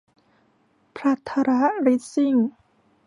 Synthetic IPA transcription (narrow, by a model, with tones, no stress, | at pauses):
pʰɾa˦˥t̪ʰːa˧ɾa˦˥ɾi˦˥t̪̚si˥˩ŋ